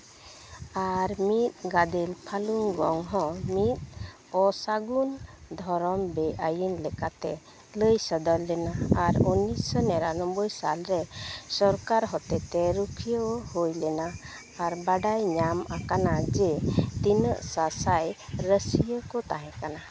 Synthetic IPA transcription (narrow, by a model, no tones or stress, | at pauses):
aɾmit̪̚ɡad̪ɛlpʰaluŋɡɔŋɦɔ̃mit̪̚ | ɔsaɡund̪ʱɔɾɔmbɛʔajinlɛkat̪ɛ | ləjsəd̪ɔlːɛnaːɾɔnisənɛɾanɔmbəjsalɾɛsɔɾkaɾɦɔt̪ɛt̪ɛɾukʰijəwhojlɛnaː | ɾbaɖajɲamakanad͡ʒɛt̪inəʔsasajɾəsijəkɔt̪aɦɛ̃kana